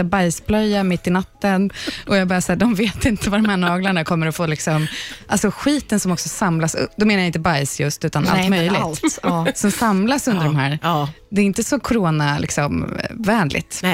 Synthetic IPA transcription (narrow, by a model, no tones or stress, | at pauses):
abajsblœjːamɪt̪ːɪnat̪ːənʔɔjabɑːɾasaːɖɔmveːt̪ɪnt̪əvaɾɔmhæːɳɑːɡlaɳakʰɔmːəɾɔfoːlɪksɔmʔalsɔɧiːt̪ənsɔmɔksɔsamlasɵ̰d̪ɔmeːnajaɪnt̪əbajsjɵst̪ʉ̟ːt̪ana̰mœjlɪt̪ːsɔmsamlasɵnd̪əɾɔmɦæ̰ːɾ | d̪ɛːɾɪnt̪əsɔkʰʊɾoːnalɪ̰ksɔmvæːɳlɪ̰t̪